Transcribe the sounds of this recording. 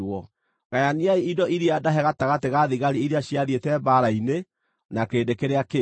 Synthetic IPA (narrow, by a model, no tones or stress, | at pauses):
wɔ | ɣajaniaiidɔʔiɾiadaɦɛɣataɣateɣaðiɣaɾiiɾeaɕiaðietɛbaɾaine | nakeːdekeɾeake